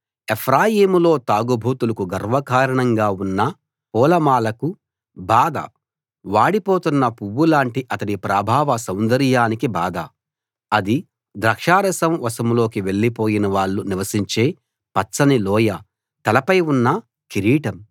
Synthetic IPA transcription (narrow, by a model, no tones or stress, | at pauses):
epʰɾaːjiːmulo̞ːt̪aːɡubʱuːt̪ulɐkuɡɐɾʋɐkaːɾɐɳɐŋɡaːunːɐ | pɔːlɐmaːlɐku | baːd̪ɐ̰ | ʋaːɽipoːt̪unːɐpuʋːulaːɳʈiʔɐt̪ɐɽipɾaːbʱaːʋɐsɐwnd̪ɐɾjaːnikibaːd̪ɐ | ɐd̪i | d̪ɾɐkʂaːɾɐsɐmʋɐsɐmlo̞ːkiʋe̞ɭːipoːjinɐʋaːɭːuniʋɐsiɲt͡ʃe̞ː | pɐsɐnilɔːjɐ | t̪ɐlɐpɐjunːɐ | kiɾiːʈɐm